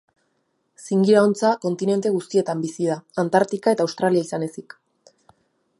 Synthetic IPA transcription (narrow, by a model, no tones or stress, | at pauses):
siŋɡiɾaont͡sako̞nt̪ine̞nt̪e̞ɣ̞ust̪ie̞t̪ambisiðaːnt̪aɾt̪ikae̞t̪aːwst̪ɾaliaisane̞sik